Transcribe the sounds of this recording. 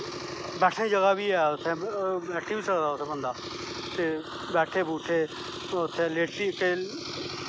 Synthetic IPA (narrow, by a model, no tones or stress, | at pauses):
bɛːʈʰẽːd͡ʒəɡaːbʱiːɛːʊt̪ʰẽːbɛːʈʰiːbiːsəɾd̪aːʊt̪ʰeːbənd̪aː | t̪eː | bɛːʈʰeːbuːʈʰeː | ʊt̪ʰːeːleːʈiːkeː